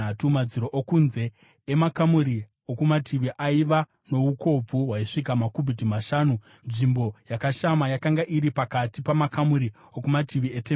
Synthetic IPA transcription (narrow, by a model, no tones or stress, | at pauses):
atumad͡ziɾo̞ʔokunze̞ | emakamuɾi | okumatʰiʋiʔaiʋa | no̞uko̞b͡vuɦwaiʂikamakubʱidimaʃaːnu | nʐimbo̞jakaʃamajakaŋɡaʔiɾipakatipamakamuɾi | okumatʰiʋiete